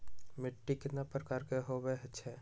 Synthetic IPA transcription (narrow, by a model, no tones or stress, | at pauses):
mɪʈːiket̪napɾəkaːɾkeɦobeɦt͡ʃʰɛ